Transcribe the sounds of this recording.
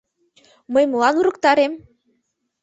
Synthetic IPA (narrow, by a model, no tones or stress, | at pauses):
mɤjmɤlɑnuɾɤ̆kt̪ɑɾem